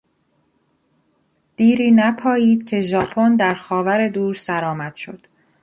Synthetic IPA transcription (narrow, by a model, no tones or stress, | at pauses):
d̪̥iːɾiːnæpʰɒːjiːd̪̥cʰe̞ʒɒːpʰond̪æɾxɒːvæɾe̞d̪uːɾsæɾɒːmæd̪̥ʃo̞̰d̪̥